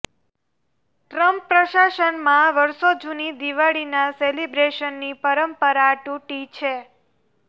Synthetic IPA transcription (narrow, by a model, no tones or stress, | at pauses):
ʈɾəmpːɾəʃaʃənmãʋəɾsod͡ʒunid̪iʋaɭinaselibɾeʃənːipəɾəmpəɾaʈuʈit͡ʃʰe